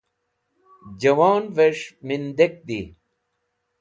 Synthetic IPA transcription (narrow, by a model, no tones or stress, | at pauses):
d͡ʑɐwaːnveʂmind̪ek̚d̪i